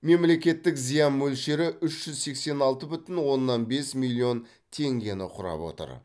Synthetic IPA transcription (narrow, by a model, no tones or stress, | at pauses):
me̞mle̞kʲe̞t̪ːɪkzijɑnmɵlʃe̞ɾɪʔʏʃʒ̥ʏzse̞kse̞nɑlˠt̪əbʏt̪ɪnwo̞nːɑnbe̞smilʲˠːio̞n | t̪ʰe̞ŋɡʲe̞nɪqʰʊɾɑ̰pwo̞̰t̪ə̰ɾ